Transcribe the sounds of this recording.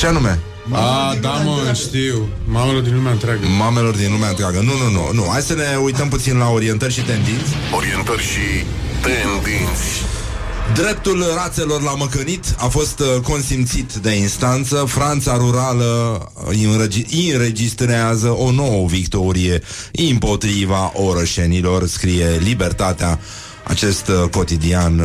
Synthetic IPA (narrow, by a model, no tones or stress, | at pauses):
t͡ʃeanume̞̰ | ad̪aməʃt̪iw | mamelo̞rd̪inlumeaɨnt̪ɾeaɡəmame̞lo̞rd̪inlumeaɨnt̪ɾeaɡənununṵnuhajd̪səne̞ujt̪əmput̪sinlao̞ɾie̞nt̪ərʲʃit̪e̞nd̪int̪sʲ | oɾient̪ərʲʃi | t̪end̪int̪sʲ | d̪ɾe̞p̚t̪ulrat̪se̞lo̞rlaməkənit̪afo̞st̪ko̞nsimt̪sit̪d̪e̞inst̪ant̪səfɾant̪saɾuɾalə | ninre̞d͡ʒist̪ɾeazəʔo̞no̞wəvikt̪o̞ɾije̞ | impo̞t̪ɾivaʔo̞ɾoʃe̞nilo̞rskɾije̞libe̞rt̪at̪ea | a̰t͡ʃe̞st̪ko̞t̪id̪ian